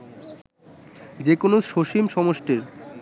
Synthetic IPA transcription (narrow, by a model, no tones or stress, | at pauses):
d͡ʑekonoʃoʃimʃɔmoʃʈeɾ